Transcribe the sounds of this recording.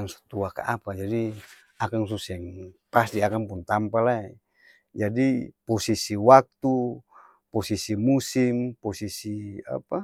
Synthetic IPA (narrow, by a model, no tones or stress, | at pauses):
aŋsu̥t̪uaka̰ʔapad͡ʒadi | akaŋsusɛŋpast̪iakaŋpunt̪ampalaɛ | d͡ʒadipɔsisiwak̚t̪u | pɔsisimusimpɔsisia̰pa